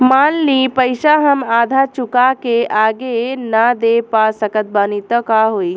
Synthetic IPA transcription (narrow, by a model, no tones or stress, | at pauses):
maːnliːpəjʃaɦɐmaːd̪ʱat͡ʃukakeʔaːɡenad̪epaːsɐkət̪̚baːnit̪əkaːɦoːi